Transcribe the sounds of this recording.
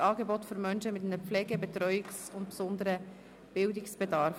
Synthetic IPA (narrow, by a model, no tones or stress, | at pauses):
ɑːɡebɔtføɾmœnʃəmɪtɛnəp͡flɛːɡebɛt̪ɾœʏɪksʊntpsʊnd̪əɾə | b̥ɪldɪksb̥edɑɾf